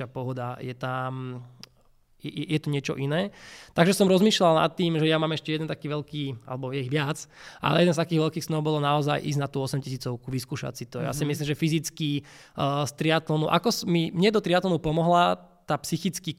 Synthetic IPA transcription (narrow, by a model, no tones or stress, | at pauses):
apɔɦɔd̪ajɛt̪am | jɛɛjɛt̪uɲɪɛt͡ʃɔ̰ʔinɛːt̪aɡʒɛsɔmɾɔzmiːʃlalna̰t̪ːiːmʒɛjamaːmɛʃcɛjɛd̪ɛnt̪akiːʋɛlkiːa̰lɛbɔjɛiɣʋɪat͡sʔa̰lɛ̰jɛd̪ɛnst̪akiːɣʋɛlkiːxsnɔʊbɔlɔnaɔzajʔḭːznat̪uːɔsɛmcis̬iːt͡sɔʊkuʋiskuːʃa̰sit̪ɔja̰simislimʒɛfizit͡ski | st̪ɾiat̪lɔnuʔa̰kɔsmimɲɛd̪ɔt̪ɾiat̪lɔnupɔmɔɦlat̪aːpsixit͡ski